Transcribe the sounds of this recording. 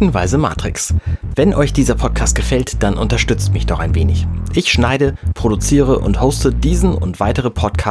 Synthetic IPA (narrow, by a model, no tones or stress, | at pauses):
n̩vaɪzəma̰ːtʁ̥ɪksv̥ɛnʔɔʏçd̥iːzɐpʰɔt̚kʰaːst̚ɡ̥əfɛltd̥anʔʊntɐʃtʏt͡stmɪçd̥ɔχaɪnveːnɪçʔɪçʃnaɪdəpʁ̥odut͡siːʁ̞əʔʊ̰nthoʊstədiːzn̩ʊ̰ntv̥aɪtəʁəpʰɔtkʰa